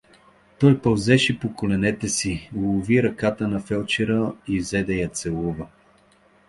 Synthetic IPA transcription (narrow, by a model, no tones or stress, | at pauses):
t̪ɔjpɐlzɛʃɛpokolɛnɛt̪ɛsilˠʊviɾɐkat̪ənɐfɛlˠt͡ʃɛɾəizɛd̪ɛjɐt̪sɛlˠuvə